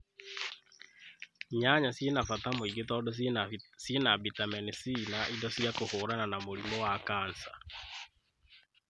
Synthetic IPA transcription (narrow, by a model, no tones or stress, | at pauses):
ɲaɲasjenafatamoiɡetɔːdɔsjenabitamɛnisinaʔidɔsiakohoːɾananamoɾimɔwakaːnsa